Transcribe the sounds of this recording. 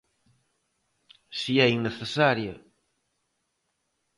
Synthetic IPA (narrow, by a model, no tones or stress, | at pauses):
siɛiŋneθesaɾja